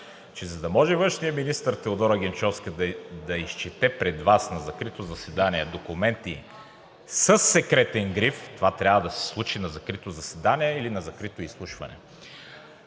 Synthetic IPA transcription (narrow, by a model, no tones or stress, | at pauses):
t͡ʃɛzɐd̪ɐmɔʒɛvɤ̃nʃnijəminist̪əɾt̪ɛod̪ɔɾɐɡ̟ʲɛnt͡ʃɔfskəd̪d̪ɐiʃt͡ʃɛt̪ɛpɾɛd̪vasnɐzɐkɾit̪ozɐsɛd̪aniɛd̪okumɛnt̪i | səsːɛkɾɛt̪ɛŋɡɾift̪ovat̪ɾʲjavəd̪ɐsɛ̥slˠut͡ʃinɐzɐkɾit̪ozɐsɛd̪aniɛilinɐzɐkɾit̪oislˠuʃvɐ̰nɛ̰